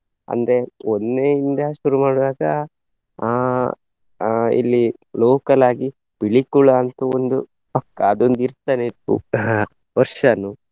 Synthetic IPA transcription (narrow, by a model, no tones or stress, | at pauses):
ɐ̰nd̪ɾe̞onːeːind̪ɐʃuɾumaːɽuʋaːɡɐ | ḭlːiloːkɐlaːɡi | b̥iɭikuɭɐːnt̪uond̪u | pɐkːɐːd̪ond̪iɾt̪aːnet̪ːṵ | ʋɐɾʂɐnu